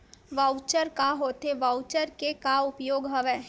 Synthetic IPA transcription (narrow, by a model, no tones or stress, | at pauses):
ʋaʊt͡ʃəɾkaɦoːt̪eʋaʊt͡ʃəɾkekaʊpjoːɡɦɐʋɛː